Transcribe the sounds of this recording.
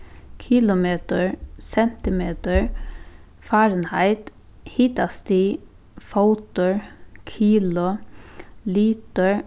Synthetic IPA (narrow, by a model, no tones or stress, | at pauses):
kʰɪlʊmeːt̪əɹsɛnt̪ɪmeːt̪əɹ | fɑːɾənhæɪt̪ | hɪt̪ɑst̪iː | faʊt̪əɹkʰiːlʊ | liːt̪əɹ